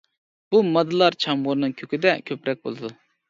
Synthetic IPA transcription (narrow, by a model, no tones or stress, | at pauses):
b̥umɑd̪ɨlˠɑɾt͡ʃʰɑmʁoɾnɨŋkʲʰøkʲid̪ɛkʲʰøpɾɛk̚ʲbo̰lˠɨd̪u